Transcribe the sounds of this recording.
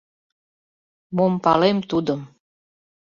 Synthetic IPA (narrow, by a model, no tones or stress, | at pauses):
mompɑlemt̪ud̪əm